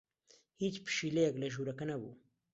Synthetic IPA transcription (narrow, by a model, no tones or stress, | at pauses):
hit͡spʃilejaɡlaʒuɾakanawṵ